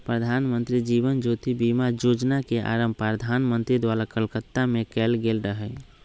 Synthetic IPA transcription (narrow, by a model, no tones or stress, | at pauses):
pɾəd̪ʱaːnmənt̪ɾid͡ʒiʋənd͡ʒot̪ibimad͡ʒod͡ʒnakeʔa̰ɾəmbpaɾəd̪ʱanmənt̪ɾid̪ʋalakəlkət̪ːamẽkɛlɡelɾəɦɛ